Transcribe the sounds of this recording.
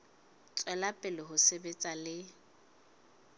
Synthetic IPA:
t͡sʼwɛlapʼɪlɪɦʊsebet͡sʼalɪ

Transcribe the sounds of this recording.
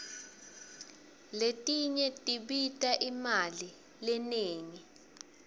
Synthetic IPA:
letʼiɲɛtʼiɓitʼaʔimali | lɛneːŋi

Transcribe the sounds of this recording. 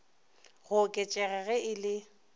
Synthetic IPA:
ɣʊkʼɛt͡ʃʼɛɣɛɣɛɪlɪ

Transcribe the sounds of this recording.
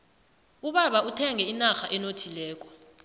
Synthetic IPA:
uɓaɓautʰɛŋʱɛinaxaʔɛnotʰilɛːk̬ʼɔ̥

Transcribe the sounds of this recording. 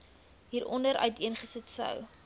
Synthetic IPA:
ɦiːɾɔndəɾœ̰ɥtiənχəsətsœ̰w

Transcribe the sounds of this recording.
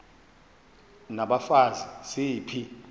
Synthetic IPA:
naɓafazisipʰi

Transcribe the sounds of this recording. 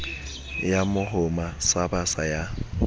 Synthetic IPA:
jamʊɦʊmasabasaja

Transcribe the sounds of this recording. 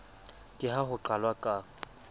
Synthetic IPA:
kʼɪɦaɦʊǃalwakʼa

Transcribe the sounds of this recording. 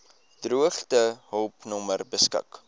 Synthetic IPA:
d̥ruəχtəɦɔlˠpnɔmərbəskə̰k

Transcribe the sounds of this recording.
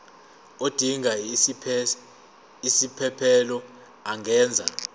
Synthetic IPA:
od̥ʱiŋʱa | isipʰɛpʰɛlɔ | aŋʱɛːnd͡zʱa̰

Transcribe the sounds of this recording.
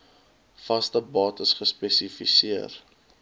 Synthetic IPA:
fɐstəbɑːtəsχəspɛsifisiər

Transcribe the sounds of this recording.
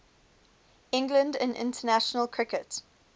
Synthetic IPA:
ɪ̃ŋɡlə̃ndə̰̃nɪ̰̃ntʰənaʃənəlˠkʰɹɪkət

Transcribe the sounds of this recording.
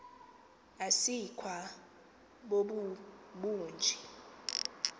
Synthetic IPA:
asikʰwa | ɓoɓuɓuːnd͡ʒʱi

